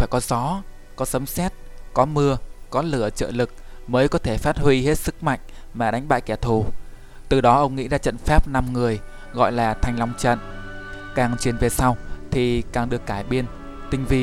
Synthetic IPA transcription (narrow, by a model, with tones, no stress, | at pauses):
faː˧˩jkɔ˨˦zɔ˨˦ | kɔ˨˦sə˨˦msɛ˦˥t̚ | kɔ˨˦mɨ˧əkɔ˨˦lɨ˧˩ət͡ɕə̰ː˧˨lɨ˨˩k̚ | məː˨˦jkɔ˨˦t̪ʰe˧˩faː˦˥t̚hwi˧he˦˥t̚sɨ˦˥k̚ma̰˧˨jŋ̟ | maː˨˩ɗa˨˦jŋ̟ɓa̰ː˧˨jkɛ˧˩t̪ʰu˧˩ | t̪ɨ˨˩ɗɔ˨˦ʔə˧wŋ͡mŋḭ˧˥zaː˧t͡ɕə̰˧˨nfaː˦˥p̚na˧mŋɨ˨˩əj | ɣɔ̰˧˨jlaː˨˩t̪ʰa˨˩jŋ̟la˧wŋ͡mt͡ɕə̰˧˨n | kaː˨˩ŋt͡ɕwi˨˩ənve˨˩sa˧wt̪ʰi˨˩kaː˨˩ŋɗɨ˨˩əkːaː˧˩jɓi˧ən | t̪ï˧˩ŋ̟vi˨˩